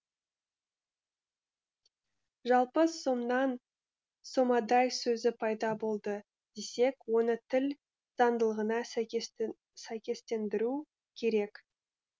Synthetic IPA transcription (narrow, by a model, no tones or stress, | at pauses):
ʒɑlˠpəso̞mnɑn | somɑd̪ɑjsɵzɪpʰɑjd̪ɑbo̞lˠd̪ə | d̪̥e̞se̞kwo̞nət̪ʰɪl | z̥ɑnd̪əlˠəʁənɑ | sæjkʲe̞st̪e̞nd̪ɪɾu | kʲʰe̞ɾe̞k